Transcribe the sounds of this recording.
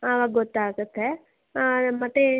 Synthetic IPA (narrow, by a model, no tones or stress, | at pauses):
ɐʋaːɡɡɔt̪ːaːɡut̪ːe | mɐt̪ːe